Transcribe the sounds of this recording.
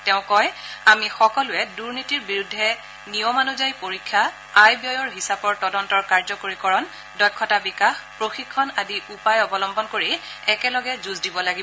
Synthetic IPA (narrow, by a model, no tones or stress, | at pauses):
tɛʊ̃kɔjamixɔkɔlʊɛduɹnitiɹbiɹudʱːɛ | nijɔmanuzajpoɹikʰːaː | jbiɔjɔɹɦisapɔɹtɔdɔntɔɹkaɹzɔkoɹikɔɹɔn | dɔkʰːɔtabikaxpɹoxikʰːɔnadiʔupajɔbɔlɔmbɔnkoɹiɛkɛlɔɡɛzuzdibɔlaɡibɔ